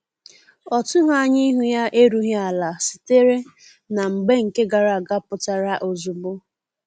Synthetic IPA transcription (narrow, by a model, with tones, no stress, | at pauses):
ɔ˨tʊ˦ɦa˦˨ɲɪ˦i˦ɦu˦ja˦ʔe˦ɾu˦ɦi˦a˨la˨si̥˨te˦ɾe˦ | na˨ŋ͡m̩˨ɡ͡be˦ŋ̩˨ke˦ɡa˨ɾa˨ɡa˦pʊ˨ta˨ɾa˦ʔo˨zʊ˨bʊ˦